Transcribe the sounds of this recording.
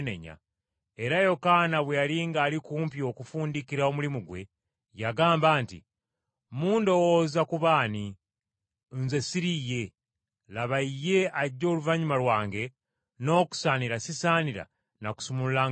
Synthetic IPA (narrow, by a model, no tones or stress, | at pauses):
nḛɲa̰ | eɾajo̞kanaβwejaliːŋɡaːlikuːmpio̞kufuːndikiɾao̞mulimuɡwe̞̰ | jaɡaːmbaːntḭ | muːndo̞woːzakuβaːni | nzesiɾije̞ | laβaije̞aɟːo̞ːluvaɲumalwaːŋɡe̞ | no̞ːku̥saːniɾasisaːniɾa̰ | naku̥sumulula